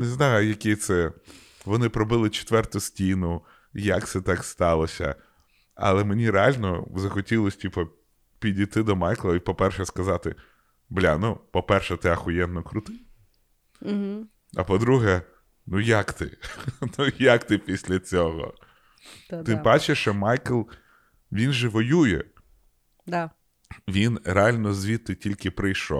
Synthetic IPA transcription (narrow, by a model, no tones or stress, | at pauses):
nɪznɑjʊjɐkɪt̪sɛ | ʋɔnɪpɾɔbɪlˠɪt͡ʃe̥t̪ʋɛrt̪ʊsʲtʲinʊ | jɐkt̪sɛt̪ɑkst̪ɑlˠɔsʲɐ̰ | ɐ̰lˠɛmenʲiɾealʲnɔzɐxɔtʲilˠɔsʲtʲipɔ | pʲidʲijt̪ɪd̪ɔmɑjklˠɐipɔpɛrʃɛskɐzɑt̪ɪ | blʲa̰nupɔpɛrʃɛt̪ɪɐxʊjɛnːɔkɾʊt̪ɪ | ɐ̰pɔd̪ɾuɦɛ | nujakt̪ɪ̰nujɐkt̪ɪpʲisʲlʲɐt͡sʲɔɦɔ̰ | t̪ɪbat͡ʃeʃt͡ʃɔmɑjkɪlˠ | ʋʲinʒɛʋɔjujɛ̰ | d̪ | ʋʲinɾeɑlʲnɔzʲʋʲit̪ːɪtʲilʲkɪpɾɪjʃɔ̰